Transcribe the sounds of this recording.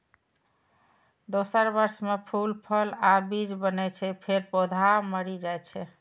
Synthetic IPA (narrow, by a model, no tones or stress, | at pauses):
d̪osəɾbəɾsmepʰulpʰəlabid͡ʒbənɛt͡ʃʰɛpʰeɾpod̪ʱaməɾid͡ʒajt͡ʃʰɛ